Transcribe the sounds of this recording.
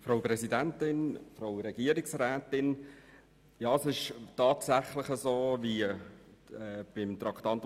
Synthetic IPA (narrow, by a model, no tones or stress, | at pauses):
fɾaʊpɾɛzidæntɪnfɾaʊɾɛɡiːəɾɪksrɛːtɪn | jɑːsɪʃtɑːtsæχlɪχəzoːvi | ɛːb̥ɪmt̪ɾɑktɑnt